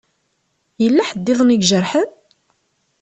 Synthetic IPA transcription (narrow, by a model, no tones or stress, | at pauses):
jəlːæħəd̪ːɪðˤniɡʒəɾħəð